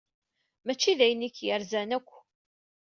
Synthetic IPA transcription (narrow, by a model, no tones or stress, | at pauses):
mæt͡ʃːiðæjənikjəɾzænækʷː